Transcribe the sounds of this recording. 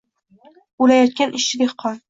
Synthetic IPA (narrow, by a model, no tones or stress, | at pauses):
ulajɒt̪̚kʲanʔɪʃɪd̪eχqʰɒn